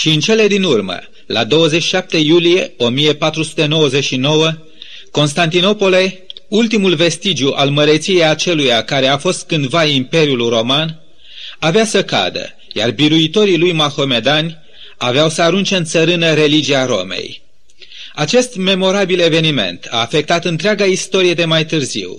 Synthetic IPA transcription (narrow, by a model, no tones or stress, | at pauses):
ʃiɨnt͡ʃe̞le̞d̪inurmə̰ | la̰d̪o̞wəzet͡ʃi̥ʃap̚t̪e̞julije̞o̞mije̞pat̪ɾusu̥t̪e̞no̞wəze̞ʃino̞wə | ko̞nst̪ant̪ino̞po̞le̞ult̪imulve̞st̪id͡ʒjuʔalməɾet̪sije̞jat͡ʃe̞lujakaɾe̞afo̞st̪̚kɨnd̪vaimpe̞ɾjulro̞man | aveasəka̰d̪ə̰ | ja̰rbiɾuit̪o̞ɾilujmaxo̞me̞d̪anʲ | aveawsəaɾunt͡ʃe̞ɨnt̪səɾɨnəɾe̞lid͡ʒiaɾo̞̰mḛj | at͡ʃe̞st̪me̞mo̞ɾabile̞ve̞nime̞̰nt̪ʰa̰ːfe̞k̚t̪at̪ɨnt̪ɾeaɡaist̪o̞ɾije̞d̪e̞majt̪ɨrzḭw